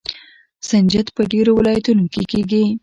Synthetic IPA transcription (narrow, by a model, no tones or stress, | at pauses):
sand͡ʒat̪pəɖeɾowɪlɑjat̪unokekeɡi